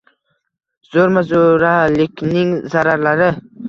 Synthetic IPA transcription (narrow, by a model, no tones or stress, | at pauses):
zoɾmazoɾalɪkʲnɪŋzaɾaɾlaɾɪ